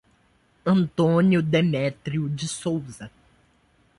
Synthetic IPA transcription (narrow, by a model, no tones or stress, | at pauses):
ɐ̃nt̪õnjʊd̪emɛt̪ɾiʊd͡ʒɪsowzɐ